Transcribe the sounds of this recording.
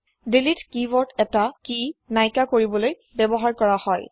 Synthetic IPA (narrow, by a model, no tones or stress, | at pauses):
delitkibɔtʰɛtakinajkakoɹibɔloj | bɛbɔɦaɹkɔɹahɔj